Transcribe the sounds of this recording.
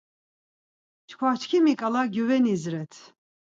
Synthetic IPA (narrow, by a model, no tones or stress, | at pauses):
t͡ʃkʰwat͡ʃʰkʰimikʼalaɡjuvɛnizɾɛt̪ʰ